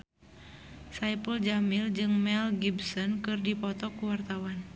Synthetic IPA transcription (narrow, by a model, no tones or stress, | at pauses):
sajpəld͡ʒamild͡ʒɨŋmɛlɡibsɔnkɨrdipɔt̪ɔkuwart̪awan